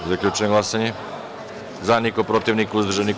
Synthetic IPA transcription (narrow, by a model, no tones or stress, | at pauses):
zaklʎʲut͡ʃɛɡlˠasaɲɛ | zanikopɾot̪ivnikuzd̪ɾrʒanik